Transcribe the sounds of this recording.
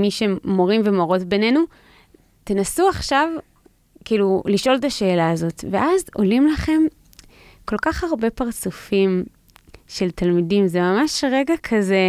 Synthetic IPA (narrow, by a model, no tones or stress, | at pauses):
miʃemo̞ʁimvemoʁo̞tbe̞ne̞nu | tenasuaχʃav | kiːluliʃʔo̞lt̪aʃe̞ːlaːzo̞tveʔazo̞̰limlaχe̞m | ko̞lkaχaʁbe̞paʁt͡sufim | ʃe̞lt̪almidimzemamaʃʁe̞ɡakʰaze̞